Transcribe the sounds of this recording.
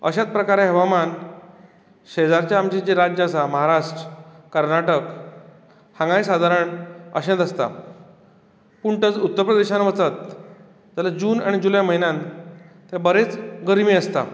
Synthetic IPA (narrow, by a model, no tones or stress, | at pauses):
ə̰ɕat͡s̪̚pɾəkaɾaɦəʋaman | ɕed͡zaɾt͡ɕjaːmd͡ʑid͡ʑeɾad͡ʑas̬aməɦaɾaʂʈɾəkəɾnaʈək | hãŋɡaisad̪ʱaɾəɳə̰ɕẽnd̪əst̪a̰ | puɳʈət͡sut̪ːəɾpɾəd̪eɕanaʋət͡sat̪̚ | d͡zalad͡ʑuːna̰ɽ̃id͡ʑulajməɦinãnt̪jabəɾet͡sɡəɾmiːəst̪a̰